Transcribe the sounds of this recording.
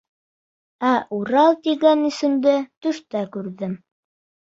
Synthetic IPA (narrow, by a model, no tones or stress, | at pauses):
æʔuɾɑlˠt̪iɡænɘ̆sɘ̆md̪ɘt̪ɵ̆ʃt̪ækʉɾðɘm